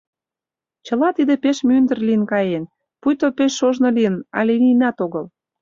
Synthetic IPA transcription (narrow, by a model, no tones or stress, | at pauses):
t͡ɕə̆lɑt̪id̪epeʃmynd̪ə̆rliənkɑjen | pujt̪opeʃːoʒnɤ̆liənɑ̰lʲenʲinɑt̪oɣəl